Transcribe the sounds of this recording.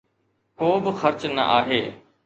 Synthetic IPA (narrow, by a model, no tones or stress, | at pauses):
koːbɪxɐɾt͡ɕnɐ̰ʔaːɦeː